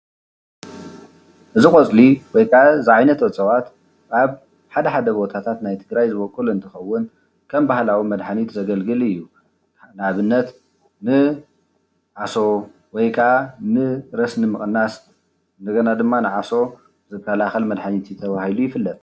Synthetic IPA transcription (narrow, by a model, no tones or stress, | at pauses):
ʔɨzixʼot͡sʼliwɔjkʰʼazɨʕajnɐt̪wɐt͡sʼɐwat̪ | aβ | ħad̪ɐħad̪ɐbo̞t̪ʰat̪ʰat̪najt̪ʰɨɡɾajzɨβokʼɨluɨnt̪ʰɨxɐwːʊn | kʰɐmbahlawimɐd̪ħanit̪zɐɡɐlɡɨlɨjːu | naβɨnːɐt̪ | nɨ | ʕaso̞ | wɔjkʰaanɨɾɐsnɨmɨχʼnːas | nd̪ɐɡɐnad̪ɨmːanɨʕaso̞ | zɨkʰːɐlaxɐlmɐd̪ħanit̪ʰit̪ʰɐβahilujɪfɨlːɐt̪ʼ